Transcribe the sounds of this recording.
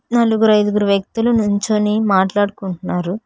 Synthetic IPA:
nɐluɡuɾɐjd̪uɡuɾuʋjɐk̚t̪ulunuɲt͡ʃoːniːmaːʈlaːɽukuɳʈunːaːɾu

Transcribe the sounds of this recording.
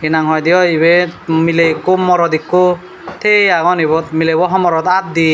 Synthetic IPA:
inaŋɦɔjd̪ijɔiβemilekːomɔɾɔd̪ikːo | t̪ʰeaɡɔnibɔt̪milebɔɦɔmɔɾɔt̪at̪̚d̪i

